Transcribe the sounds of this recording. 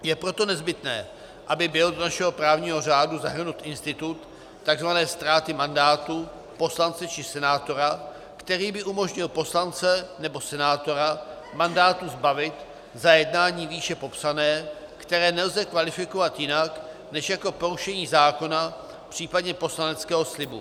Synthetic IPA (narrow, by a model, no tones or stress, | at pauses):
jɛpɾo̞t̪o̞nɛzbɪt̪nɛ̰ː | ʔabɪbɪldonaʃɛɦo̞pɾaːvɲiːɦo̞r̝aːduzaɦr̩nut̪ʔɪnst̪ɪt̪ut̪ː | aɡzvanɛːst̪ɾaːt̪ɪmandaːt̪u | po̞slant͡sɛt͡ʃɪsɛnaːt̪o̞ɾa | kt̪ɛɾiːbɪʔumo̞ʒɲɪlpo̞slant͡sɛnɛbo̞sɛnaːt̪o̞ɾa | mandaːt̪uzbavɪt̪ | zajɛdnaːɲiːviːʃɛpo̞psanɛː | kt̪ɛɾɛːnɛlzɛkvalɪfɪko̞vat̪jɪnak | nɛʃjako̞po̞ɾuʃɛɲiːzaːko̞na | pr̥iːpadɲɛpo̞slanɛt͡skɛːɦo̞slɪbṵ